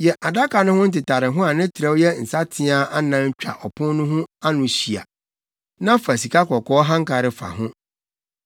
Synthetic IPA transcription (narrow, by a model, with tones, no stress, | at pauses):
jɛ˨ʔa˨da˦ka˨nʊ̃˦hʊ̃˦n̩˦tɪ˨tʰa˨ɾɪ˨ɦʊ̃˦a˨nɪ̃˦tʰɾɛ˦wjɛ˦n̩˨sa˦tʰɪ˦a˨ʔa˦nã˦ɲ˦t͡ɕᶣa̰˨ʔɔ˨pʰʊ̃˦nʊ̃˦ɦʊ̃˦a˦nʊ̃˨ɕi˨a̰˨ | nã˦fa˨si˨kʰa˦kɔ˨kʰɔː˦ɦã˦ŋ̩˦kʰa˨ɾɪ˨fa̰˨ɦʊ̃˦